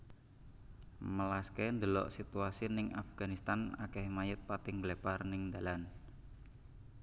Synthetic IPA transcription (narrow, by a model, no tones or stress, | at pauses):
məlaskend̪əlɔ̰ʔsit̪uasinɪŋafɡ̥anist̪anakɛhmajət̪̚pat̪ɪŋɡleparnɪŋnd̪alan